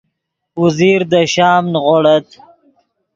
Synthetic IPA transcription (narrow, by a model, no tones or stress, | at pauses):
uziɾd̪əʃɑːmnʁoɽət̪